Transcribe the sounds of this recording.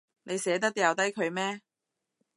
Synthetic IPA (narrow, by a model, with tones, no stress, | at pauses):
ne˨˧jsɛː˨˥t̪̬ɐ˥k̚t̪i˥jɐ˨˧wt̪ɐ˥jkʰɵ˨˧ɥmɛː˥